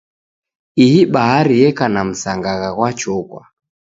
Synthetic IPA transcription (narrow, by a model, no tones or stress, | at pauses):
ihiɓaɦaɾijɛkanam̩saŋɡaɣaɣwat͡ʃɔkwa̰